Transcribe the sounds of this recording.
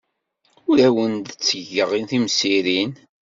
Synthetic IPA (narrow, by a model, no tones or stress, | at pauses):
ʊɾæwənd̪ət͡sːəʝəʁinθimsiɾin